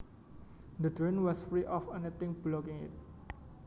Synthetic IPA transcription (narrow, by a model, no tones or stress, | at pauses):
d̪ədɹenwɔsfɹiʔɔfɛnit̪ɪ̃ŋblokɪ̃ŋɪ̰t̪̚